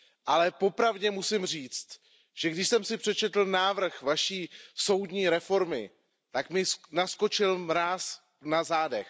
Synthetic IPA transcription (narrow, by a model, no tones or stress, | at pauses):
ʔalɛpo̞pɾavɟɛmusɪmr̝iːt͡st̪ | ʒ̥ɛɡdɪʃsɛmsɪpr̥ɛt͡ʃɛt̪l̩naːvr̩xvaʃiːso̞wdɲiːɾɛfo̞ɾmɪ̰ | t̪akmɪnasko̞t͡ʃɪlɾaːs | nazaːdɛ̰x